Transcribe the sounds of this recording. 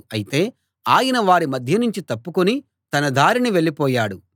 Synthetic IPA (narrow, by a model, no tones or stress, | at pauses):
ɐjit̪e̞ː | aːjɐnɐʋaːɾimɐd̪ʱjɐnuɲt͡ʃit̪ɐpːukuni | t̪ɐnɐd̪aːɾiniʋe̞ɭːipɔːjaːɽu